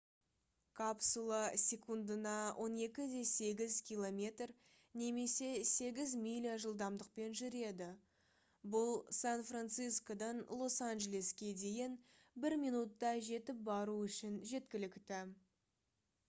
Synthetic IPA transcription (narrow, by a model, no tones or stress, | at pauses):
kʰapsulˠɑsʲe̞kund̪ənɑwʔo̞ne̞kʲɪd̪e̞se̞ɡʲɪzkʲilˠo̞mʲe̞t̪r | ne̞me̞se̞se̞ɡʲɪzmʲilʲijaʒəlˠd̪ɑmd̪əq̚pe̞nʒʏɾe̞d̪ɪ | bʊlˠsanfrant̪sijsko̞d̪ɑnlˠo̞sanʒele̞skʲe̞d̪e̞jen | bɪɾminut̪ːɑʒe̞t̪ɪp̚bɑɾuʏʃɪnʒe̞t̪kʲɪlɪkt̪ɪ